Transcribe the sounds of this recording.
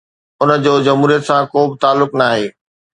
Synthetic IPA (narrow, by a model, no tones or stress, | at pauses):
ʊnəd͡ʑoːd͡ʑɐmɦuːɾijət̪sãkoːbɪt̪aːlːʊknaːɦeː